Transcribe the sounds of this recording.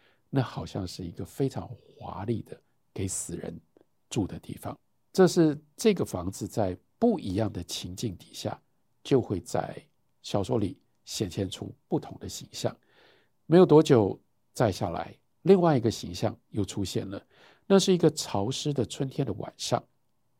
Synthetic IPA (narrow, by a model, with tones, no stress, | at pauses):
na˥˩xɑ˨˩ʊɕjɑ̰˥˧ŋʂɻ̩˥˩i˧˥ɡə˧fe˥ɪʈ͡ʂʰɑ̰˧˥ŋxwa̰˧˥lḭ˥˩d̪ə˩ | ke˧˥ɪsɹ̩˨˩ɻə̰˧˦n | ʈ͡ʂu˥˩d̪ə˩t̪ḭ˥˩fɑ̰˩˦ŋ | ʈ͡ʂɤ˥˧ʂɻ̩˥˧ʈ͡ʂɤ˥˩ɡə˩fɑ˧˥ŋd͡zɹ̩˧t͡sa˥˧ɪpu˥˩ʔi˧˥jɑ˥˩ŋd̪ə˩t͡ɕʰi˧˥ŋt͡ɕi˥˩ŋt̪i̥˨˩ɕja̰˥˩ | t͡ɕjo˥˧ʊxwe˥˧ɪt͡sa̰˥˩ɪ | ɕjɑ˨˩ʊʂwɔ˧˥li˨˩˦ | ɕjɛ˨˩nt͡ɕʰjɛ˥˧nʈ͡ʂʰṵ˥pu˥˩t̪ʰʊ˧˥ŋd̪ə˧ɕi˧˥ŋɕjɑ̰˥˩ŋ | me˧˥jo˨˩ʊt̪wɔ˥t͡ɕjo˨˩ʊ | t͡sa˥˧ɪɕja̰˥˩la̰˧˥˦ɪ | li˥˧ŋwa˥˩ɪi˧˥ɡə˧ɕi˧˥ŋɕjɑ̰˥˧ŋjo˥˩ʊʈ͡ʂʰu˥ɕjɛ˥˩nlə˩ | na˥˧ʂɻ̩˥˩i˧˥ɡə˧ʈ͡ʂʰɑ˧˥ʊʂɻ̩˥d̪ə˨t͡sʰwə˥nt̪ʰjɛ˥nd̪ə˩wʔa̰˨˩nʂɑ̰˥˩ŋ